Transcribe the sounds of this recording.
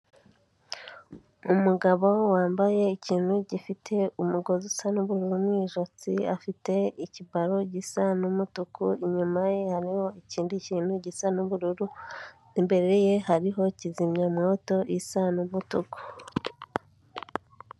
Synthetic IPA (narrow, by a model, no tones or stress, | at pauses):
umuɡaβowaːmbaje̞iciːn̥uɟifitʰe̞umuɡo̞zusanuβuɾuɾumwiʒot͡siafite̞icibaɾoɟisanumutukʰuiɲumajehaɾiho̞iciːndiciːnuɟisanuβuɾuɾu | imbe̞ɾeɾeje̞haɾiɦo̞cizimɲamwoːto̞ʔisanumutuku̥